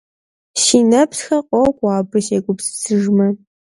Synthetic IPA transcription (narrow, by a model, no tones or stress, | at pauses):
ʃiːnɐpsxɐqʷʼɔwqʷʼɑːbɨʃeːɡʷʊpsɨ̥sɨʒmɐ